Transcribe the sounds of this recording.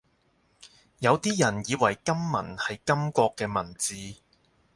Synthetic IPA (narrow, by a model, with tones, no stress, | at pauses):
jɐ˨˧wt̪iː˥jɐ˨˩njiː˨˧wɐ˨˩jkɐ˥mːɐ̰˨˩nhɐ˨jkɐ˥mkʷɔː˧kːɛː˧mɐ˨˩nt͡siː˨˧